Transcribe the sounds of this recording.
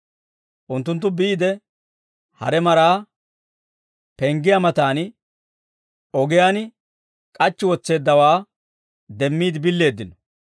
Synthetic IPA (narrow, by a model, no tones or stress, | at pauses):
ʔʊnt̪ːʊnt̪ːʊbiːd̪ɛ | hɐ̰ɾɛmɐɾaː | pɛŋɡɪjamɐt̪aːn | ɔɡɪjaːn | kʼɐt͡ʃːɪwɔt͡sːe̞ːd̪ːɐwaː | d̪ɛmːiːd̪ɪbɪlːe̞ːd̪ːɪnɔ̥